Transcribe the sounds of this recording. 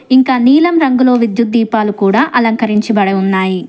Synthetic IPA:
iŋkaːniːlɐmɾɐŋɡulo̞ːʋid̪jut̪̚d̪iːpaːlukuːɽaːʔɐlɐŋkɐɾiɲt͡ʃibɐɽɐjunːaːji

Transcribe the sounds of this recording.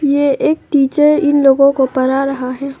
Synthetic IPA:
jeeːk̚ʈiːt͡ʃəɾɪnloːɡõkopɐɾaɾɐɦaɦɛː

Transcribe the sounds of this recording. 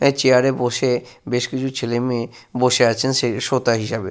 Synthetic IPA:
et͡ɕeaɾeboʃebeʃkit͡ɕʰut͡ɕʰelemieboʃeat͡ɕʰenseʃot̪aɦiʃabe

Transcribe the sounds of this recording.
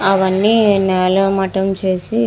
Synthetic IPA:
ɐʋɐnːinɛːlɐmɐʈɐmt͡ʃe̞ːsi

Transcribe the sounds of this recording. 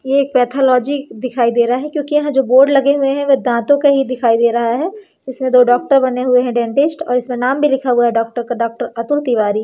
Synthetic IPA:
jeeːk̚pɛːt̪ʰɔːlɔːd͡ʒid̪ɪkʰaːid̪eːɾɐɦaɦɛkjõːkijɐɦãd͡ʒoːboːɾɖlɐɡeɦʊeɦɛ̃ʋod̪ãːt̪õkeɦid̪ɪkʰaːid̪eːɾɐɦaɦɛː | ɪsmẽd̪oːɖɔːk̚ʈəɾbɐneɦʊeɦɛ̃ɖɛ̃ːɳʈɪsʈɔ̰ːɾɪsmẽnaːmbʱilɪkʰaɦʊaɦɛɖɔːk̚ʈəɾkaɖɔːk̚ʈəɾɐt̪ʊlt̪iʋaːɾiː

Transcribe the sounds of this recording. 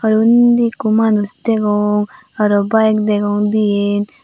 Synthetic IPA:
aɾund̪ikumanusd̪eɡɔŋaɾɔbajkd̪eɡɔŋd̪ijen

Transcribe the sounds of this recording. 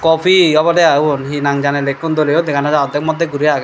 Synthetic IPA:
kɔpʰiɔbɔleaunɦinaŋd͡ʒanelekːund̪olijod̪ekʰanad͡ʒaɔd̪ʱek̚mɔd̪ʱːeɡuɾijaɡa

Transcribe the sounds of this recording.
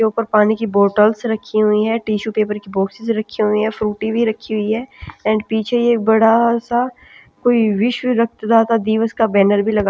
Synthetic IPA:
euːpəɾpaːnikiboːʈəlsɾɐkʰːiɦʊiɦɛːʈiːʃupeːpəɾkibɔːksɪzɾɐkʰːiɦʊiɦɛfɾuːʈibʱiɾɐkʰːiɦʊiɦɛːɛ̃ːɳɖpiːt͡ʃʰeieːk̚bɐɽasa | koːiʋɪʃbʱiɾɐk̚ʰt̪d̪aːt̪ad̪iːʋəskabɛːnəɾbʱilɐɡa

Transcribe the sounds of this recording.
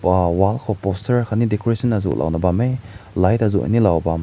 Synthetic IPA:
walkʰɔpɔstʰəɾkʰanidekʰɔɾesʰɔnazṵlʔa̰wnabamejlajtazuʔa̰nilawbam

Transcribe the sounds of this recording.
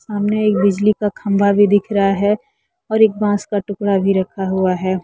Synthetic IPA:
saːmneeːk̚bɪd͡ʒlikakʰɐ̃mbʱabʱid̪ɪkʰɾɐɦaɦɛ | ɔːɾeːk̚bãːskaʈʊkɽabʱiɾɐkʰaɦuaɦɛː

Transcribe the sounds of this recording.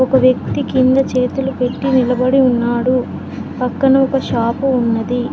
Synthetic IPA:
ɔkɐʋjɐk̚t̪ikind̪ɐt͡ʃe̞ːt̪ulupe̞ʈːinilɐbɐɽiunːaːɽu | pɐkːɐnɐɔkɐʃaːpuːnːɐd̪i

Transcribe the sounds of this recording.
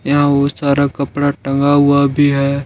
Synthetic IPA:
jɐɦãosaːɾakɐpɽaʈɐ̃ŋɡaɦʊabʱiɦɛː

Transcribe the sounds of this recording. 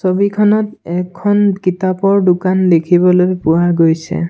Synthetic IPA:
sobikʰɔnɔtɛkʰːɔnkitapɔɹdukanlekʰibɔlojpʊwaɡojsɛ̰

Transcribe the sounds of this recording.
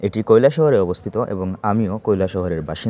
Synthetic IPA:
eʈikojlaʃɔɦoɾeɔbost̪ʰit̪oʔḛboŋamiokojlaʃɔɦoɾeɾbaʃi

